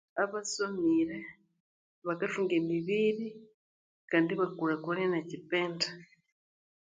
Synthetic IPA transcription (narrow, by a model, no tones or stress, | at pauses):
aβasomiɾe | βakafiŋɡemiβiɾi | kaːndiβakuɾakulenacipeːnta